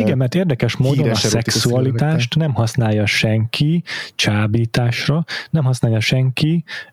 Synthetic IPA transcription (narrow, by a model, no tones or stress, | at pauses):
iɡɛmːɛrt̪eːrd̪ɛkɛʃmoːd̪onɒʃsɛkssuɒlit̪aːʃt̪nɛmɦɒsnaːjːɒʃɛŋkʰit͡ʃaːbiːt̪aːʃrɒnɛmɦɒsnaːjɒʃɛŋki